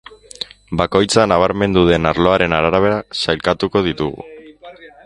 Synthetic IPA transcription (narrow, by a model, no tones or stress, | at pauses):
bako̞jt͡sanaβ̞aɾme̞nd̪uðe̞naɾlo̞aɾe̞naɾaɾaβ̞e̞ɾasajlkat̪uko̞ð̞it̪uɣṵ